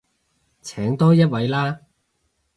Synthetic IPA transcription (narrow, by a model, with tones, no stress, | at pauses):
t͡sʰɛː˨˥ŋt̪ɔː˥jɐ˥t̚wɐ˨˧˥jlaː˥